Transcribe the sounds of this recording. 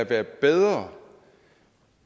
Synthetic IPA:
æʋæːɐb̥eðˠʁɐ

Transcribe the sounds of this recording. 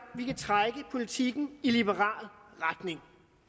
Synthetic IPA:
ʋikʰæt͡sʰʁaɡ̥əpʰo̝lit͡sʰiɡ̥n̩ilib̥əʁɑ̰̈ːlˠʁad̥ne̝ŋ

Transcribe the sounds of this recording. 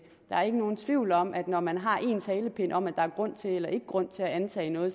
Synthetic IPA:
d̥ɑ̈æɐe̝ɡ̥əno̝ːn̩t͡sʰʋiʊ̰lɒ̽mʔæd̥nɒmænɦɑ̈ʔe̝ːnt͡sʰɛːləpʰe̝n̰ɒ̽mæd̥ɑ̈æɐɡ̥ʁɔ̽n̰t͡sʰe̝elɐʔe̝ɡ̥əɡ̥ʁɔ̽n̰t͡sʰe̝læænt͡sʰɛ̰ːnɔ̽ːð̩ˠ

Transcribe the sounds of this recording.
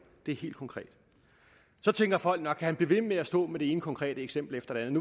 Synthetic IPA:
d̥e̝æɐhe̝̰ːld̥̚kʰɒ̽ŋkʰʁɛ̰ːd̥ | sɒ̽t͡sʰeŋɡ̥ɐfɒ̽l̰ɡ̥nɒɡ̥kʰːæhænb̥liʋe̝meæsd̥ɔ̰̽ːmeɾ̥e̝eːnəkʰɒ̽ŋkʰʁɛ̰ːd̥əeɡ̥sem̰b̥l̩efd̥ɐd̥eænð̩nu

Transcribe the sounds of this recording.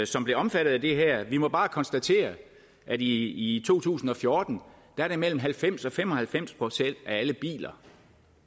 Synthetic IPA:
sɒ̽mb̥le̝ɒ̽mfæɾ̥ð̩ˠæd̥e̝ɦæɐ̰ʋimɒ̽b̥ɑ̈ːkʰɒ̽nsd̥æt͡sʰe̝̰ːɐ | ʔæd̥iːt͡sʰo̝̰ːt͡sʰṵːsn̩ɒ̽fjo̝ːd̥n̩d̥ɑæɐɾ̥e̝mel̰m̩ɦælfem̰sɒ̽fem̰ɒ̽hælfem̰spʰʁo̝sen̰d̥ææləb̥ḭːlɐ

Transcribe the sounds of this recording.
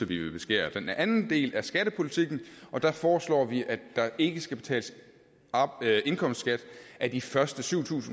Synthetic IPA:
ɒbʋiʋeb̥e̝sɡ̥ḛːɐd̥enʔænn̩d̥e̝̰ːlæɐsɡ̥æɾəpʰo̝lit͡sʰiɡ̥n̩ɒ̽d̥ɑ̈fɒːslɒ̰ːʋiʔæ̥ɑ̈ʔe̝ɡ̥əsɡ̥æb̥e̝t͡sʰɛ̰ːləs | e̝nkʰɒ̽m̰sd̥sɡ̥æd̥ʔæd̥ifɶɐsd̥əsyʊ̰t͡sʰṵːsn̩

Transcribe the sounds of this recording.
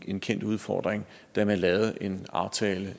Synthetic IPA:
e̝nkʰen̰d̥uð̞ˠfɒ̰ːd̥ʁeŋ | d̥æmænlɛːʊð̩ˠʔe̝nɑ̈ʊt͡sʰɛːlə

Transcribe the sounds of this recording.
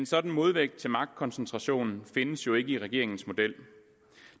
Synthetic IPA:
ensɒ̽d̥n̩mo̝ðˠʋeɡ̥̚d̥̚t͡sʰe̝lmɑ̈ɡ̥̚d̥̚kʰɒ̽nsnt͡sʰʁɑ̈ɕo̝̰ːnn̩fe̝nəsjo̝e̝ɡ̥əiʁɛɡ̥e̝ɐe̝ŋn̩smo̝d̥el̰

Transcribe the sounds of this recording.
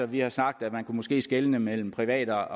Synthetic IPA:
ɒ̽ʋihɑ̈snɑ̈ɡ̥̚d̥æ̥mænkʰumɔ̽sɡ̥e̝̰ːsɡ̥elənəmel̰m̩pʰʁiʋɛ̰ːd̥ɐɒ

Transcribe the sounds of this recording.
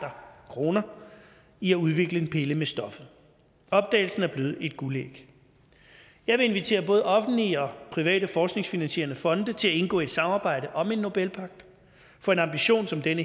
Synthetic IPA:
dɐkʰʁo̝ːnɐ | iæuð̞ˠʋe̝ɡ̥ləe̝npʰe̝ləmesd̥ɒ̽fð̩ˠ | ɒ̽b̥̚d̥ɛ̰ːɪl̩sn̩æɐb̥le̝ːð̩ˠe̝d̥ɡ̥ulḛɡ̥ | jɑ̈ɪʋe̝e̝nʋit͡sʰe̝̰ːɐb̥ɔ̽ːð̩ˠɒ̽fn̩liɒ̽pʰʁiʋɛ̰ːɾ̥əfɒːsɡ̥ne̝ŋsfinænɕe̝̰ːɐnəfɒ̽nd̥ət͡sʰe̝læe̝nɡ̥ɔ̰̽ːe̝d̥sɑ̈mɑ̈ːb̥ɑ̈ɪ̰dɾəʔɒ̽me̝nːo̝b̥elpʰɑ̈ɡ̥̚d̥ | fɒ̽e̝nɑ̈mb̥iɕo̝̰ːnsɒ̽md̥enə

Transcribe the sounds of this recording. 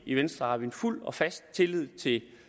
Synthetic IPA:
iʋensd̥ʁɑhɑ̈ʋienful̰ɒ̽fæsd̥̚t͡sʰe̝lið̞̰ˠt͡sʰe̝

